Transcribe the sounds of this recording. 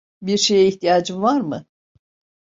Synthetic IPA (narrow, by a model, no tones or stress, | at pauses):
biɾʃejɛiçt̪ijaːd͡ʒɯmvaɾmɯ